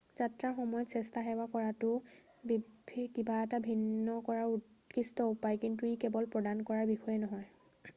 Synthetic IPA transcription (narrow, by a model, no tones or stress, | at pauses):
zatɹaɹxɔmɔjɔtsɛstaxɛwakɔɹatʊ | bibʱikibaɛtabʱinːɔkɔɹaɹukistɔupajkint̬uikɛbɔlpɹɔdankɔɹaɹbixɔjɛnɔɦɔj